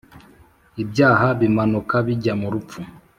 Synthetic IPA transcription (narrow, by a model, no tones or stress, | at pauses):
ibjaːɦaβimanukaβiɟamuɾup̪p͡fu